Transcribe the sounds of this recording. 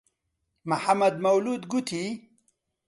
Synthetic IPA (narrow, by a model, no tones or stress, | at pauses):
maħamːɐd̪mɐwlud̪ɡut̪ʰi